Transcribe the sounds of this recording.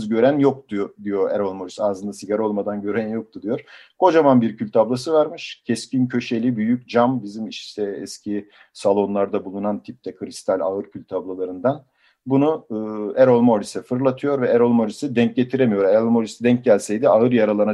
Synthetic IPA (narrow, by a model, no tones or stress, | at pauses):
zɟø̞ɾænjo̞k̚t̪ud̪ijo̞ɛɾolˠmo̞ɾisaːzɯnd̪asiɟaɾo̞lˠmad̪anɟø̞ɾænjo̞k̚t̪ʰud̪ijo̞ɾ̥ | kʰo̞d͡ʒamanbiɾcʰylʲt̪ʰablˠas̬ɯvaɾmɯʃcʰɛscincʰø̞ʃe̞lʲibyjycd͡ʒambizimiʃt̪ʰɛɛ̰scʰi | salˠo̞nlˠaɾd̪abulˠunant̪ʰip̚t̪ʰɛkʰɯɾist̪ʰalʲa̰ɯɾcʰylʲt̪ʰablˠalˠaɾɯnd̪an | bunuɯːɛɾolˠmo̞ɾisɛfɯɾlˠat̪ʰɯjo̞ɾvɛɛɾo̞lˠmo̞ɾisɛd̪ɛɲc̚ɟe̞t̪ʰiɾemijo̞ɾɛɾolˠmo̞ɾisɛd̪ɛɲc̚ɟælʲsɛjd̪iaɯɾjaɾalˠana